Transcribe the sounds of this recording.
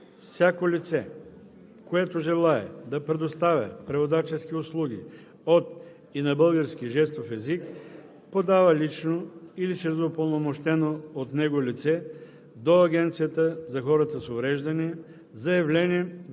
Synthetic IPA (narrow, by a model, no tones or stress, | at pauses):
fsʲakolit̪sɛ | koɛt̪oʒɛlˠaɛ̰d̪ɐpɾɛd̪ost̪avʲjɐ̰pɾɛvod̪at͡ʃɛskiʊslˠuɡ̟ḭ | ot̪ | inɐbɤlˠɡəɾskiʒɛst̪ofɛzik | pod̪avəlit͡ʃnoiliʃɛɾzopolˠnomoʃt̪ɛnoːot̪nɛɡolʲit̪sɛ | d̪oɐɡʲɛnt̪sijət̪əzɐxɔɾət̪əsovɾɛʒd̪ɐni | zɐjɐvlɛnʲii